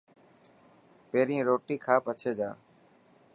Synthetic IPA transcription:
peːɾĩːɾoːʈiːkʰaːpət͡ʃʰeːd͡ʒaː

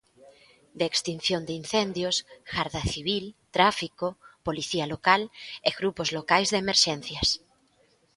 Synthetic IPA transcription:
d̪eːkst̪in̟θjond̪einθend̪josxaɾðaθiβ̞ilt̪ɾafikopoliθialokaleɣɾupozlokajzðemeɾʃɛn̟θjas

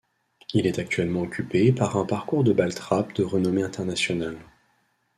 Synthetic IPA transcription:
ilɛt̪ak̚t̪ɥɛlmɑ̃ɔkʲypepaʁɛ̃paʁkuʁd̪əbalt̪χapd̪əʁənɔmeɛ̃t̪ɛʁnasjɔnal

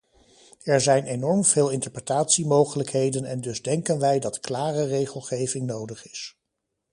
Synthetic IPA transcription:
ɛɹzɛjnenɔɹmv̥eːlˠɪntəɹprətaːtsimowχələkɦejdənɛndɵzdɛŋkənʋɛjdɑtklaːrərejχəlˠχejvɪŋnowdəχɪ̥s

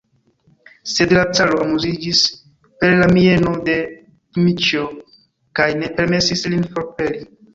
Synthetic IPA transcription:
se̞dlat͡saloamuzid͡ʒis | pe̞ɾlamie̞no̞de̞ | kimit͡ʃo̞ | kajne̞pe̞ɾme̞sislinfo̞ɾpe̞li

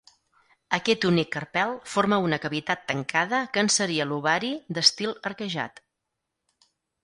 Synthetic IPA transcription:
əkɛt̪unikːərpɛlˠfoɾməunəkəβit̪at̪ːəŋkʰaðəkənsəɾiəluβaɾid̪əst̪ilˠəɾkəʒa̰t̪

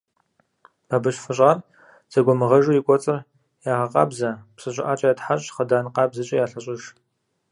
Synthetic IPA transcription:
b̥abɨɕfɨɕʼaːr | z̥ɐɡʷɔmɨʁɐʒuːjikʷʼɔt͡sʼɨr | jaːʁɐqɑ̰ːbzɐpsɨɕʼɪ̰ʔaːt͡ʃʼɐjatħaɕʼχɐdaːnqɑːbzɨt͡ʃʼɐjaːɬɐɕʼɪʒ

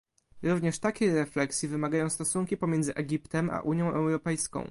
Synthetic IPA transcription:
ɾuvɲɛʂt̪akʲɛɾɛflɛksʲjivɘmaɡajɔ̃w̃st̪ɔsuŋkʲipɔmʲjɛnd̪zɘʔɛɡʲipt̪ɛmʔa̰ʔuɲjɔ̃w̃ʔɛwɾɔpɛjskɔ̰̃w̃

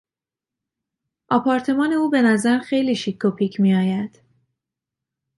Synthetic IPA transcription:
ʔɒːpʰɒːɾt̪ʰe̞mɒːne̞uːbe̞næzæɾxe̞jliːʃikʰːopʰiːcʰmiːɒːjæd̪̥

